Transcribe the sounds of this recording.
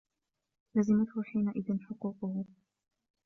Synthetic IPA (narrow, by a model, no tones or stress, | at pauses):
lazɪmat̪hʊħiːnaʔɪðɪnħʊquːqʊhʊ